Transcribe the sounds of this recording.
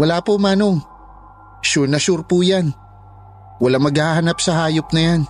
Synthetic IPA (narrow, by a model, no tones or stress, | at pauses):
wɐlaːpomanoŋ | ʃʊnɐʃʊɾpujan | wɐlaŋmɐɡhahahanapsɐhaːjop̚nɐjan